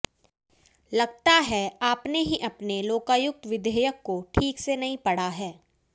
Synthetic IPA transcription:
lɐɡ̚t̪aɦɛaːpneɦiʔɐpneloːkaːjʊk̚t̪ʋɪd̪ʱeːjəkːoʈʰiːksenɐɦĩpɐɽ̤aɦɛː

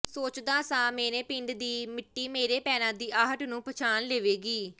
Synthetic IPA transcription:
soːt͡ʃd̪aːsãːmeːnẽːpɪ̃ɳɖd̪iːmɪʈːiːmeːɾeːpɛːnãːd̪iːʔaːɦəʈnũːpət͡ʃʰaːnleːʋeːɡiː

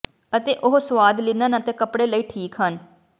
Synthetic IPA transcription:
ət̪eːʔʊɦsʋaːd̪lɪnãːnə̃t̪eːkəpɽeːləiːʈʰiːkɦən

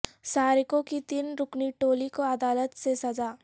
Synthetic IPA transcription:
saːɾɪkõkit̪iːnɾʊkniʈoːlikoɐd̪aːlət̪sesɐd͡ʒaː

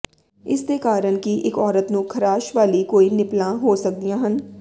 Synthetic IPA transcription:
ɪ̰skekaːɾəɽ̃kiʔɪkɔːɾət̪nũːkʰɐɾaːʃʋaːlikoːinɪplãɦoːsɐk̚d̪ijãːɦən

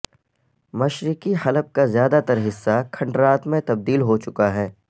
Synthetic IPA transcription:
mɐʃɾɪkiɦɐləp̚kazjaːd̪at̪ɐɾɦɪsːakʰɐ̃ɳɖɾaːt̪mẽt̪ɐb̚d̪iːlɦot͡ʃʊkaɦɛː

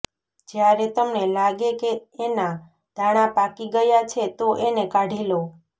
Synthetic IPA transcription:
d͡ʒjaɾet̪əmnelaɡekeːna | d̪̥ʱaɽ̃apakiɡəjat͡ʃʰet̪oʔenekaɖʱelo

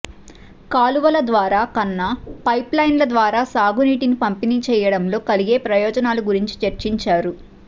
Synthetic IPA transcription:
kaːluʋɐlɐd̪ʋaːɾaːkɐnːɐpɐjplɐjnlɐd̪ʋaːɾaːsaːɡuniːʈinipɐmpiniːt͡ʃɛːjɐɽɐmlo̞ːkɐliɡeːpɾɐjɔːd͡ʒɐnaːluɡuɾiɲt͡ʃi̥t͡ʃɐɾt͡ʃiɲt͡ʃaːɾu

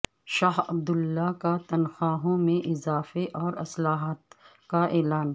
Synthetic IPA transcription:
ʃaːɦɐb̚d̪ʊlːakat̪ɐnxaːɦõmẽʔɪzaːfeʔɔːɾɐslaːɦaːt̪kaʔɛːlaːn

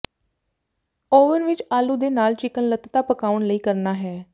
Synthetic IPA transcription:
oːʋənʋɪt͡ʃaːluːd̪eːnaːlt͡ʃɪkənlət̪t̪aːpəkaːʊənləiːkəɾnaːɦɛː

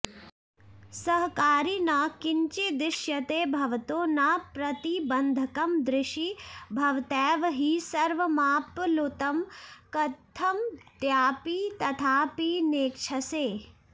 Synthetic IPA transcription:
sɐɦkaːɾinakɪɲt͡ʃid̪ɪʃjɐt̪eːbʱɐʋt̪oːnapɾɐt̪ibɐnd̪ʱɐkɐmd̪ɾɪʃibʱɐʋt̪ɛːʋɦisɐɾʋɐmaːplot̪ɐmkɐt̪ʰːɐmt̪jaːpiːt̪ɐt̪ʰaːpineːkʃʰɐseː

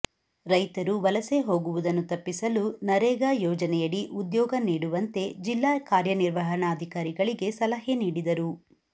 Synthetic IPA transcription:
ɾɐjt̪ɐɾuʋɐlɐse̞ɦo̞ːɡuʋud̪ɐnːut̪ɐpːisɐlunɐɾɛːɡaːjɔːd͡ʒɐnɛjɐɭːiʔud̪jɔːɡɐniːɽuʋɐnt̪e̞d͡ʒilːaːkaːɾjɐniɾʋɐɦɐɳɐːd̪ʱikaːɾiɡɐɭiɡe̞sɐlɐɦeniːɽid̪ɐɾu

